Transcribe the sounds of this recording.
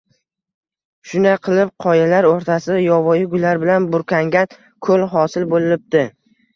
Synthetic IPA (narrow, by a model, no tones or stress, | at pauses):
ʃʊnaqʰɨlˠɪp̚qʰɒjalaɾoɾt̪ʰasɪjɒvɒjɪɡʊlaɾbɪlanbʊɾkʰʲaŋɡʲan | kʰɵlɦɒsɪlbolɪlɪp̚t̪ɪ